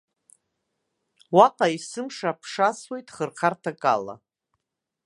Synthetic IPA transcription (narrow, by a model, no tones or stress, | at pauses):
waqʼaisɨmʂapʰʂaswe̞jtʼχərχʰartʰakʼa̰la̰